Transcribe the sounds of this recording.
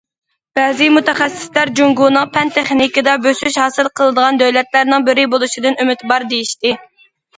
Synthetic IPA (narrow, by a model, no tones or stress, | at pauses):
b̥ɛːzɪmut̪ɛχæsːɪ̥slæɾd͡ʒuŋɡunɨŋpʰɛnt̪ʰeχnikɪd̪ɑbøsyʃhɑːsɨlˠqʰəlˠɨd̪əʁɑnd̪øwlɛt̪læɾnɪŋbɪɾɪbolˠuʃid̪ɨnymɪt̪bɑɾd̪ejiʃt̪ɪ